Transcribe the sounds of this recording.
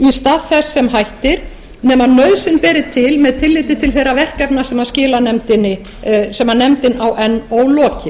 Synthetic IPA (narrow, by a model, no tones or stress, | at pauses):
ist̪aːðθɛsːɛmɦajht̪ɪɾ̥ | nɛmanœɥðsɪnpɛːɾɪt̪ʰɪlmɛðt̪ʰɪlːɪːt̪ɪt̪ʰɪlθejrːavɛr̥kɛpnasɛmaðscɪːlanɛmt̪ɪnːɪ | sɛmanɛmt̪ɪnawʔɛnːoːwlɔːcɪ